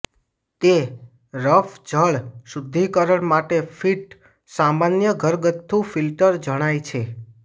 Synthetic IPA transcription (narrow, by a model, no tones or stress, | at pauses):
t̪e | ɾəfʰd͡ʒʱəɭsud̪ʱːikəɾəɳmaʈefiʈ | samanjəɡʱəɾɡət̪ʰːũfilʈəɾd͡ʒəɽ̃ajt͡ʃʰe